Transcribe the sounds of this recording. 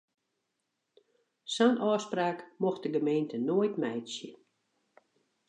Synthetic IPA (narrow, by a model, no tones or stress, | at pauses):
sɔnʔɔːspraːkmoxdəɡəmeːntənoəjtmɛjsjə